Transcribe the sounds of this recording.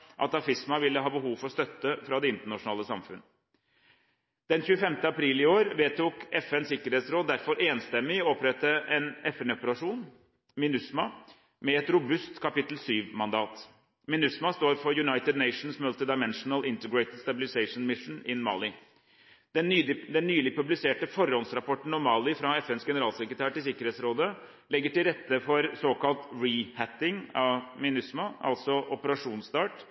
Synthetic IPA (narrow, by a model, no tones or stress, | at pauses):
ʔɑ̰t̪ɑfɪsmɑʋɪlːəɦɑːbəɦuːʋfɔɾst̪œt̪ːəfɾɑːd̪ɛɪnt̪əɳɑʂʊnɑːləsɑmfʉnːə | d̪̥ɛnçʉːəfɛmt̪əɑpʰɾiːlɪoːɾʋeːt̪uːkɛfɛnsɪkːəɾeːt̪sɾoːd̪æɾfɔɾʔeːnst̪ɛmːɪɔɔpɾɛt̪ːəʔɛnɛfɛnɔpəɾɑʂuːn | mɪnʉsmɑ | mɛɛt̪ɾʊbʉst̪kʰɑpɪt̪l̩syːʋmɑnd̪ɑːt̪ | mɪnʉsmɑst̪oːɾfɔɾjʉnɑɪt̪ɪd̪næɪʂn̩smœlt̪əd̪ɑɪmɛnʂnəlɪnt̪əɡɾɛɪt̪əd̪st̪ɑbɪlɪseɪʂn̩mɪʂn̩ɪnmɑ̰ːlɪ | d̪̥ɛnːd̪ɛnːyːlɪpʉblɪseːʈəfɔɾːɔnsɾɑpʰɔʈn̩ɔmːɑːlɪfɾɑɛfɛnsɡɛnəɾɑːlsɛkɾət̪ʰæːʈɪlsɪkːəɾheːt̪sɾoːd̪ə | lɛɡːəʈɪlɾɛt̪ːəfɔɾsoːkɑlt̪ɹihæt̪ɪŋɑʋmɪnʉsmɑʔɑ̰lt̪sɔʔɔpəɾɑʂuːnst̪ɑːʈ